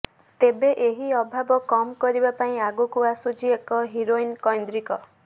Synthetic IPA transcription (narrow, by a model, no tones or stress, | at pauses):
t̪ebeʔeɦiɔbʱabɔkɔmkɔɾibapaĩaɡukuasud͡ʒiekɔɦiɾoinkɔjnd̪ɾikɔ